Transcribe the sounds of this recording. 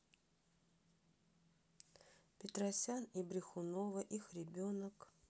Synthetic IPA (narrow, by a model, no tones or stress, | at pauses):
pʲɪt̪ɾɐsʲanibɾʲɪxʊnovəʔixɾʲɪbʲonək